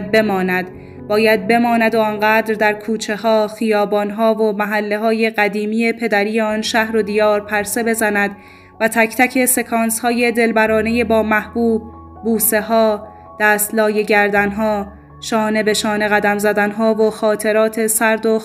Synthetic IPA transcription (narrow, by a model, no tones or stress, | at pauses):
d̪̚be̞mɒːnæd̪ | bɒːjæd̪̚be̞mɒːnæd̪oɒnɢæːd̪ɾd̪æɾkʰuːt͡ʃʰe̞hɒːxijɒːbɒːnɦɒːvomæɦælːe̞ɦɒːje̞ɢæd̪iːmiːje̞pʰe̞d̪æɾijeɒːnʃæhɾo̞d̪ijɒːɾpʰæɾse̞be̞zænæd̪ | væt̪ʰæcʰt̪ʰæcʰe̞se̞kʰɒːnshɒːje̞d̪e̞lbæɾɒːne̞je̞bɒːmæhb̥uːb̚ː | uːse̞ɦɒː | d̪̥æːst̪lɒːje̞ɟæɾd̪ænɦɒː | ʃɒːne̞be̞ʃɒːne̞ɣæd̪æmzæd̪ænɦɒːvoxɒːt̪ʰe̞ɾɒːt̪ʰe̞sæɾd̪o